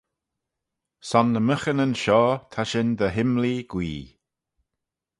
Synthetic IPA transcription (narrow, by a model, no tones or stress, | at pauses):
sɔnːəməxənənʃɔːt̪ʰaʃɪnd̪əɦɪmliɡ̥wḭː